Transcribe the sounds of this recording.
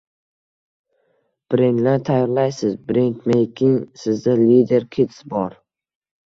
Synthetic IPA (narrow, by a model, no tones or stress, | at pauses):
b̥ɾend̪lant̪ʰajɒɾlajsɪzbɾent̪mejkʰʲɪŋsɪzd̪alid̪e̞ɾkʲʰit̪sbɒɾ